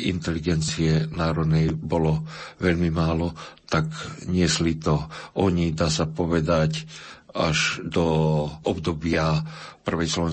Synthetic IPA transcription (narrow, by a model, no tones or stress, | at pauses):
ḭnt̪ɛliɡɛnt͡siɛnaːɾɔd̪nɛjbɔlɔʋɛʎmimaːlɔt̪akɲɪɛslit̪ɔɔɲid̪aːsapɔʋɛd̪acaʒd̪ɔɔbd̪ɔbɪapr̩ʋɛjslɔʋɛ